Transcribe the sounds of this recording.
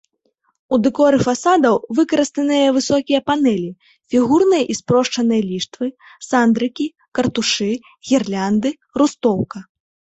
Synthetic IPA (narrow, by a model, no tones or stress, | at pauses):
ud̪ɨkɔɾɨfasad̪ɐwvɨkɐɾɨst̪ɐnɨjɐvɨsɔkʲijɐpanɛlʲi | fʲiɣurnɨjɐʔispɾɔʂt͡ʂɐnɨjɐlʲiʂt̪vɨ | sand̪ɾɨkʲi | kɐrt̪uʂɨ | ɣʲɛrlʲand̪ɨ | rust̪ɔwkɐ